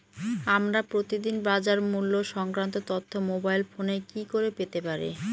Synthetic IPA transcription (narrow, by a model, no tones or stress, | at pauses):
amɾapɾot̪id̪inbad͡ʑaɾmulːoʃɔŋkɾant̪ot̪ot̪ʰːomobajlfonekikoɾepet̪epaɾḛ